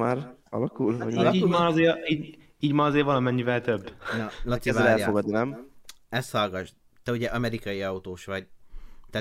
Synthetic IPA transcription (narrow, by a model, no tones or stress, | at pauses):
aːɾɒ̰lɒkulɒ̰iimaːɾɒzeːiː | iːɟmaːɾɒzeːɾvɒlɒmɛɲːivɛlt̪øbːnɒlɒt̪siɛvaɛlɛlffoɡɒd̪nɛmɛst̪hɒlɡɒʒ | t̪ɛuɟɛʔɒmɛɾikɒjiɒut̪oːʃʋɒɟt̪ɛ